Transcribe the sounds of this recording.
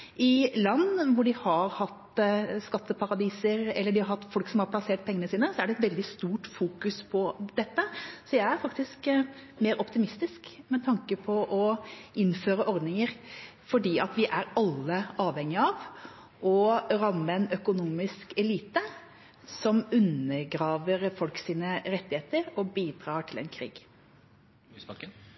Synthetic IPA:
ʔɪlɑnːʋʊɖɪhɑɾhɑt̪ːskɑt̪ːəpʰɑɾɑd̪iːsəɾɛ̰lːəɖɪhɑɾhɑt̪ːfɔlksɔmhɑɾpʰlɑseːʈ̚pʰɛŋənəsiːnəsɔæɖɛt̪ʋɛld̪ɪst̪uːʈfuːkʉspʰɔd̪ɛt̪ːəsɔjæɪæɾfɑk̚t̪ɪskmeːɾɔpt̪ɪmɪst̪ɪskmɛt̪ʰɑŋkəpʰɔʔɔʔɪnːføːɾəʔɔɾd̪nɪŋəɾfɔɖiːɑt̪ʋɪʔæɾɑlːəɑːʋhɛŋːɪɑʋ | ʔɔɾɑmːəɛnœkʊnuːmɪskɛliːt̪ə | sɔmʉnːəɡɾɑːʋəɾfɔlksiːnəɾɛt̪ːɪheːt̪əɾɔbiːd̪ɾɑːʈʰɪlɛ̰nkʰɾḭːɡ̥

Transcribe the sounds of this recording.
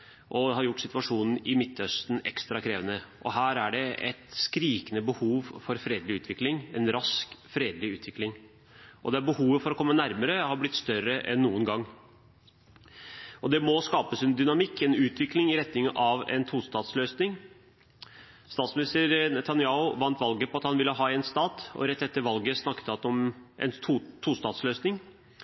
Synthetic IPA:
ʔɔhɑɾjʊʈːsɪt̪ʋɑʂuːnn̩ɪmɪt̪ːœst̪nɛ̰kst̪ɾɑkʰɾeːʋənəʔɔɦæːɾæɖɛʔɛ̰t̪skɾiːkənəbəhuːʋfɔɾfɾeːd̪lɪʉːt̪ʋɪklɪŋɛnɾɑskfɾeːd̪lɪʉːt̪ʋɪklɪŋ | ʔɔ̰d̪ɛæɾbəhuːʋəfɔɾɔkʰɔmːənæɾməɾəhɑblɪt̪ːst̪œɾəʔɛ̰nːuːənɡɑŋː | ɔd̪ɛmɔskɑːpəsɪnd̪ʏnɑmɪkːɛnʉːt̪ʰʋɪklɪŋɪɾɛt̪nɪŋəʔɑʋɛ̰nt̪ʰuːst̪ɑːt̪sløːsnɪŋ | st̪ɑːt̪smɪnɪst̪əɾnɛt̪ɑnɪɑːʊʋɑnt̪ʋɑlɡəpʰɔɑt̪hɑnʋɪlːəɦɑːɛnst̪ɑːt̪ɔ̰ɾɛt̪ːɛt̪ːəɾʋɑlɡəsnɑkːət̪əɑt̪ɔmʔɛ̰nʰt̪ʰːust̪ɑːt̪sløːsnɪŋ

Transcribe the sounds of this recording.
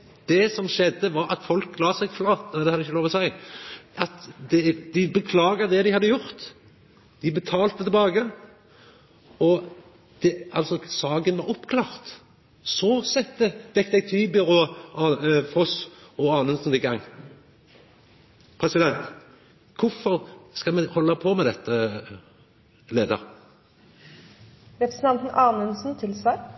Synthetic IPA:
d̪̥ɛsɔmʃɛd̪ːəʋɑɾɑ̰t̪fɔlklɑːsɛɡflɑːt̪nɛd̪ɛhɑd̪ːɪçːəlɔːʋɔsæɪʔɑt̪d̪ɛd̪ɪbəkʰlɑːɡəʁd̪ɛd̪ɪhɑd̪ːəjʊɾt̪ | d̪̥ɪbət̪ʰɑːlt̪ət̪ʰɪlbɑːɡə | ɔ | d̪̥ɛɑlsɔsɑːɡənʋɑɾɔpːkʰlɑːʁt̪ | sɔsɛt̪ːəʋ̪ɛkt̪ɛɡ̚t̪ʰyːbəʁɔɑfɔsɔɑːnʉnsn̩d̪ɪɡɑŋː | pʰʁɛsɪd̪ɛnt̪ | kʰʊfɔʁskɑmɛhɔlːəpʰɔmɛd̪ɛt̪ːə | leːd̪ə̰ʁ | ɾɛpɾɛsn̩t̪ɑnt̪n̩ʔɑːnʉnsn̩t̪ʰɪlsæ

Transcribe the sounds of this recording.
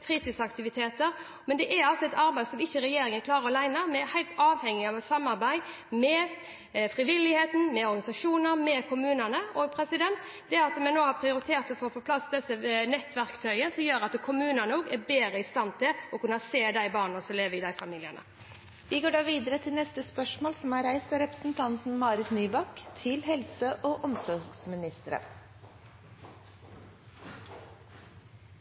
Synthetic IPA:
kʰɾiːt̪ɪskɑkt̪ɪʋɪt̪ʰeːt̪əɾ | mɛnd̪ɛʔæɾɑlsɔɛt̪ʰɑɾbæɪsɔmɪçːəɾɛjeːɾɪŋəkʰlɑːɾɔlæɪnəmɛhæɪlt̪ɑːʋhɛŋːɪɑʋɛt̪sɑmːɑɾbæɪ | mɛ | fɾɪʋɪlɪheːt̪n̩mɛɔɾɡɑnɪsɑʂuːnəɾmɛkʰʊmʉːnənəɔpʰɾɛsɪd̪ɛnt̪ | d̪̥ɛɑt̪ːɔmɛnoːhɑɾpʰɾɪʊɾɪt̪ʰeːɾt̪ɔfoːpʰɔpʰlɑsd̪ɛsːənɛt̪ːʋæɾkt̪ʰœʏəsɔmjøːɾɑt̪kʰʊmʉːnənuːɡæbeːɾəɪst̪ɑnt̪ʰɪlɔkʉnːəseːd̪æɪbɑːʁnnəsɔmleːʋəɪd̪æɪfɑmiːlɪənə̰ | ʋɪɡoːɖɑːʋiːd̪əɾət̪ʰɪlnɛst̪əspœʂmoːlsɔmæɾæɪsɛɾɛpɾəsn̩t̪ʰɑnt̪n̩mɑːɾɪt̪nyːbɑkt̪ʰɪlɦɛlsəʔoʔɔmsɔɾɡsmɪnɪst̪əɾə̰

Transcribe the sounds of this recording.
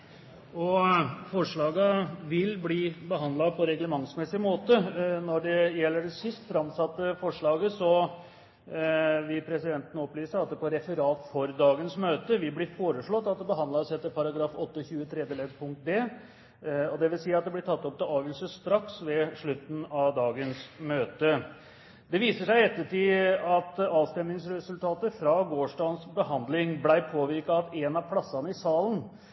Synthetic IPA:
ɔfɔʂɭɑːɡəʋɪlbliːbəɦɑnd̪lɑpʰɔɾɛɡləmɑŋsmɛsɪmoːt̪ənɔɖɛjɛlːəɖɛsɪst̪fɾɑmsɑt̪ːəfɔʂɭɑːɡəsɔ | ʋɪlpʰɾɛsɪd̪ɛnt̪ənəɔpːlyːsəɾɑt̪̚d̪ɛpʰɔɾɛfəɾɑːt̪fɔɾd̪ɑːɡənsmøːt̪əʋɪblɪɾfoːɾəʂɭɔt̪ːɑt̪̚d̪ɛbəɦɑnd̪lɑsɛt̪ːəɾpʰɑɾɑɡɾɑːfɔt̪ːəçʉːət̪ʰɾɛd̪jəlɛd̪pʰʊŋk̚t̪̚d̪eː | ɔd̪ɛʋɪlsiːɑt̪̚d̪ɛblɪʈʰɑt̪ːɔp̚t̪ɪlɑːʋəlsəst̪ɾɑksʋɛʂɭʉt̪ːn̩ɑʋd̪ɑːɡənsmøːt̪ə | d̪ɛʋiːsəʂæɪɛt̪ːəʈʰiːɑt̪ɑːʋst̪ɛmnɪŋsɾɛsʉlt̪ʰɑːt̪əfɾɑɡoːʂɖɑːnsbəhɑnd̪lɪŋblæɪpʰoːʋɪɾkɑːt̪ɛnɑpʰlɑsːɑnəɪsɑːlən

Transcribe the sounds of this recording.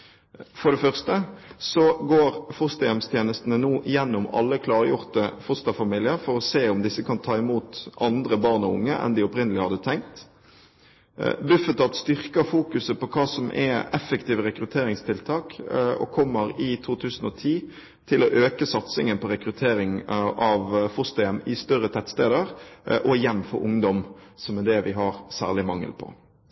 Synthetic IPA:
fɔʁɖ̪ɛfœʁst̪əsɔɡoːʁfʊst̪ɑjɛmst̪ʰjeːnəst̪ən̩ənuːʔɪjɛnːʊmɑ̰lːəkʰlɑːʁəjʊʁt̪əfʊst̪ɑfɑmiːlɪəɾfɔɾɔseːʊmd̪ɪsːəkʰɑnt̪ʰɑːɪmuːt̪ʔɑnd̪ʁəbɑʁnɔʊ̰ŋːəʔɛ̰nd̪ɪɔpɾɪnəlɪhɑd̪ət̪ʰɛŋk̚t̪ | bʉfət̪ɑt̪st̪ʏʁkəfuːkʉsəpɔkʰɑːsɔmʔɛ̰ɛ̰fəkt̪iːʋəɾɛkɾʉt̪ʰeːɾɪŋst̪ʰɪlt̪ʰɑːkɔ̰kʰɔmːəɾɪt̪ʰuːt̪ʰʉːsən̩ɔt̪ʰiː | t̪ʰɪlɔʔøːkəsɑt̪sɪŋənpʰɔɾɛkɾʉt̪ʰeːɾɪŋʔɑʋfʊst̪əɛnɪst̪œɾət̪ʰæt̪st̪eːd̪əʁʔɔɪjɛnːfɔ̰ɾʊŋd̪ɔmsɔmɛd̪ɛʋɪɦɑʁsæ̰ːʁlɪmɑŋːə̰lpʰɔ̰

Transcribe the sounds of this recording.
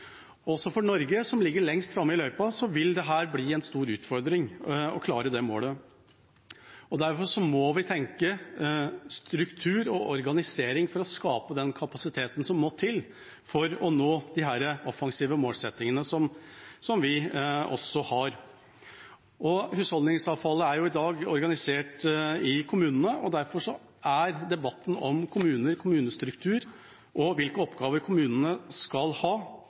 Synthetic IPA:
ɔɔsːɔfɔɳɔɾɡəsɔmlɪɡːəɭɛŋst̪fɾɑmːəɪlœʏpɑsɔʋɪld̪ɛɦæːɾbliːɛnst̪uːɾʉːt̪fɔɾd̪ɾɪŋɔkʰlɑːɾəd̪ɛmo̰ːlə | ɔd̪æɾfɔʂɔmɔʋɪt̪ʰɛŋkə | st̪ɾʉkt̪ʰʉːɾɔʔɔɾɡɑnɪseːɾɪŋfɔɾɔskɑːpəd̪ɛnkʰɑpɑsɪt̪ʰeːt̪n̩sɔmːoːt̪ʰɪl | fɔɾɔnoːd̪ɪɦæːɾəɔfɑŋsiːʋəmoːlsɛt̪ːɪŋənəsɔmsɔmʋɪɔ̰sːɔhɑɾ | ʔɔhʉːshɔld̪nɪŋsɑːʋfɑlːəæɾjʊɪd̪ɑːɡɔɾɡɑnɪseːʈɪkʰʊmʉːnənəʔɔd̪æɾfɔʂɔ | ʔæɾd̪ɛbɑt̪ːn̩ɔmkʰʊmʉːnəɾkʰʊmʉːnəst̪ɾʉkt̪ʰʉːɾ | ʔɔʋɪlkəɔpːɡɑːʋəɾkʰʊmʉːnənəskɑlhɑː

